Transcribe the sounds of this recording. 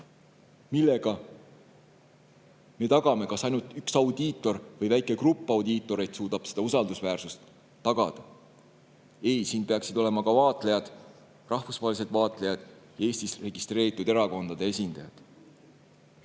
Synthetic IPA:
milːe̞ɡ̥ɑ | me̞t̪ɑɡ̥ɑme̞kɑsɑjnult̪yksɑwd̪̥iːt̪ːˑo̞rvɤjvæjkˑe̞krupˑːɑwd̪iːt̪ːˑo̞ɾejd̪̥suːd̪̥ɑb̥se̞d̪̥ɑusɑld̪usvæːrsust̪ː | ɑɡ̥ɑd̪̥ɑ | e̞jsiːnpe̞ɑksid̪o̞le̞mɑkɑvɑːt̪ˑle̞jɑd̪̥ | rʔɑhfusvɑhelis̬e̞d̪vɑːt̪ˑle̞jɑd̪̥jɑe̞ːst̪isre̞ɡ̥ist̪re̞ːɾit̪ːˑud̪e̞ɾɑko̞nd̪̥ɑd̪̥e̞esʲind̪̥ɑjɑd̪̥

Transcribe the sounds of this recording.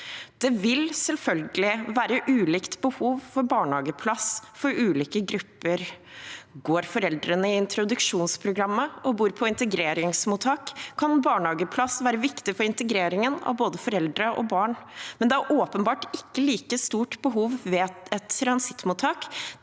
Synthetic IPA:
d̪̥ɛʋɪlsɛlfœlɡəlɪʋæːɾəʔʉːliːkt̪bəhuːʋfɔɾbɑːɳɑːɡəpʰlɑsfɔɾʉːliːkəɡɾʉpːəɾ | ɡoːɾfɔɾɛld̪ɾənəɪɪnt̪ɾʊd̪ʉkʂuːnspʰɾʊɡɾɑmːəʔɔbuːɾpʰɔɪnt̪əɡɾeːɾɪŋsmuːt̪ʰhɑːkkʰːɑnbɑːɳhɑːɡəpʰlɑsʋæːɾəʋɪkt̪ɪfɔɾɪnt̪əɡɾeːɾɪŋənɑ̰ʋboːd̪əfɔɾɛld̪ɾəʔɔ̰bɑːɳmɛnd̪ɛæɾʔoːpənbɑːʈɪkːəliːkəst̪uːʈbəɦuːʋʋɛɛt̪ːɾɑnsɪ̥t̪ːmuːt̪ʰːɑːk

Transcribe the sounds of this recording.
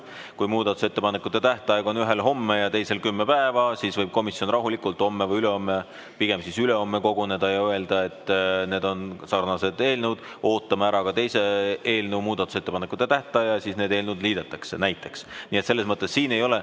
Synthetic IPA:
kujmuːd̪ɑt̪ˑuse̞t̪ːe̞pɑnekːut̪ːˑe̞t̪æht̪ˑɑeɡ̥o̞nyɦe̞lɦo̞mːejɑt̪e̞jse̞lkymːepæevɑsiːsvɤjb̥̚ko̞misjo̞nrɑɦulikult̪ˑo̞mːevɤjyle̞o̞mːe | piɡ̥e̞msisyle̞o̞mːeko̞ɡ̥one̞d̪̥ɑjɑøe̞ld̪̥ɑe̞t̪ˑːne̞ːd̪o̞nsɑrnɑse̞d̪e̞ːlnud̪̥ | o̞ːt̪ːˑɑmeæɾɑkɑt̪e̞jse̞eːlnuwmuːd̪ɑt̪ːˑu̥se̞t̪ːe̞pɑnekːˑut̪ːˑet̪æht̪ˑɑjɑsiːsne̞ːd̪e̞ːlnud̪liːd̪et̪ːˑɑkse̞næjt̪ːˑe̞ksniːet̪se̞lːesmɤt̪ˑːesːiːne̞jo̞le

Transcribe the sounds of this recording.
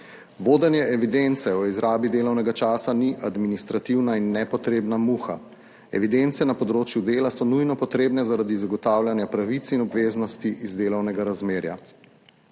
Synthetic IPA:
ʋoːd̪ɛnjɛɛʋid̪ent̪sɛɔizɾaːbid̪eːlɔwnɛɡat͡ʃaːsaniʔad̪minist̪ɾat̪iwnainːɛpɔt̪ɾeːbnamuxa | ɛʋid̪ent̪sɛnapɔd̪ɾoːt͡ʃjud̪eːlasɔnujnɔpɔt̪ɾeːbnɛzaɾad̪izaɡɔt̪aːwljanjapɾaʋit̪sinɔbʋeːznɔst̪iizd̪eːlɐwnɛɡaɾazmeːɾja̰

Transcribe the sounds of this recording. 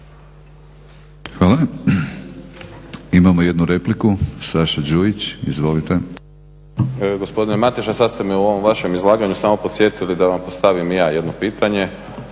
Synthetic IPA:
xʋaːla | imamoje̞d̪nuɾe̞plikusaʃad͡ʒuit͡ɕizʋo̞lit̪e̞ | ɡo̞spo̞d̪inemat̪iʃasad̪st̪e̞meuo̞ʋomʋaʃe̞mizlˠaːɡaɲusaːmo̞po̞t̪sje̞t̪ilid̪aʋampost̪aʋimjaːje̞d̪nopiːt̪ʰaɲe̞

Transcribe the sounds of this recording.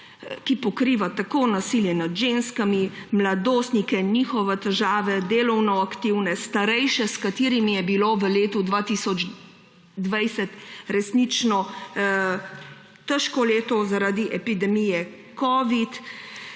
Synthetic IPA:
kipɔkɾiːʋat̪akonasiljɛnad̪ʒenskamimlad̪oːst̪nikɛniːxɔʋɛt̪ɛʒaːʋɛd̪eːlɔwnɔakt̪iwnɛst̪aɾɛjʃɛskat̪iːɾimijɛbiloːʋəleːt̪ud̪ʋat̪isɔd͡ʒ | d̪ʋɛjsɛt̪ɾɛsnit͡ʃnɔ | t̪əʃkɔleːt̪ɔzaɾaːd̪iʔɛpid̪ɛmijɛ | kɔʋit̪

